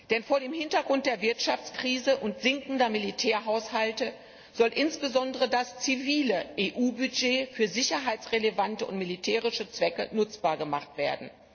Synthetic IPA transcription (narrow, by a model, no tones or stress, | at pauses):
d̥ɛnfoːɐɾeːmhɪntɐɡʁʊnt̚d̥eːɐvɪɐtʃaft͡skʁ̥iːzəʔʊntz̥ɪŋkn̩dɐmilitʰɛːɐɦaʊshaltə | z̥ɔlʔɪnsb̥əzɔndəʁədast͡siviːləʔeːʔuːbyd͡ʒeːfyːɐzɪçɐɦaɪt͡sʁelevantəʊ̰ntmilitʰɛːʁɪʃət͡sv̥ɛkə̰nʊt͡sb̥aːɐɡəmaχtv̥eːɐdn̩